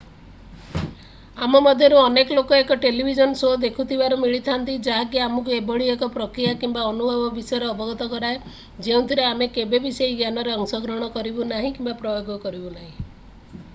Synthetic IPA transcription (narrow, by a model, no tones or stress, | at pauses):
amɔmɔd̪ʱjɔɾuɔnekɔlokɔekɔʈelibʱid͡ʒɔnsod̪ekʰut̪ʰibaɾumiɭit̪ʰant̪id͡ʒaɦak̬iamɔkuebɔɭiekɔpɾɔkɾijakimbaɔnubʱɔbɔbisɔjɔɾeɔbɔɡɔt̪ɔkɔɾae | d͡ʒeũnt̪ʰiɾeamekebebisejiɡjanɔɾeɔŋsɔɡɾɔɽ̃ɔkɔɾibunaɦĩkimbapɾɔjoɡɔkɔɾibunaɦĩ